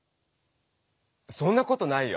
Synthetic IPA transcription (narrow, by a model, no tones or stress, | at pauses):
sõ̞nːako̞t̪o̞naijo